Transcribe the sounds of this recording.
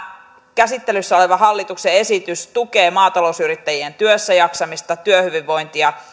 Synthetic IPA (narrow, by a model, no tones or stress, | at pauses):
kæsit̪ːelysːæo̞leʋɑɦɑlːit̪uksee̞sit̪yst̪ukeːmɑːt̪ɑlo̞usyrit̪ːæjient̪yøsːæjɑksɑmist̪ɑt̪yøhyʋiʋːo̞jnt̪iɑ